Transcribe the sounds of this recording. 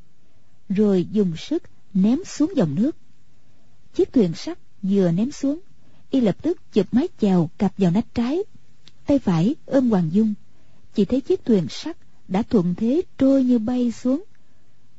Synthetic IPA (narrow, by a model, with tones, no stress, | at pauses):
zo˨˩jzʊ˨˩ŋ͡msɨ˦˥k̚ | nɛ˨˦msu˨˦əŋzə˨˩wŋ͡mnɨ˦˥ək̚ | t͡ɕi˦˥ək̚t̪ʰwi˨˩ənsa˦˥k̚ | zɨ˨˩ənɛ˨˦msu˨˦əŋ | ʔi˧lə˨˩p̚t̪ɨ˦˥k̚t͡ɕɨ˨˩p̚maː˨˦jt͡ɕɛː˨˩wka˨˩p̚zaː˨˩wna˨˥jŋ̟̚t͡ɕaː˨˦j | t̪a˧jfaː˧˩jʔəː˧nkwaː˨˩ŋzʊ˧ŋ͡m | t͡ɕi˧˩t̪ʰə˨˦jt͡ɕi˦˥ək̚t̪ʰwi˨˩ənsa˦˥k̚ | ɗa̰ː˧˥t̪ʰwə̰˧˨nt̪ʰe˨˦t͡ɕo˧jɲɨ˧ɓa˧jsu˨˦əŋ